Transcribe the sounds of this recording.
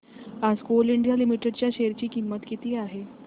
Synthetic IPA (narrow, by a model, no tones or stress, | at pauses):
askuːliɳɖjalimiʈeɖt͡ɕjaɕeɾt͡ɕiːkimːət̪kit̪iːaɦe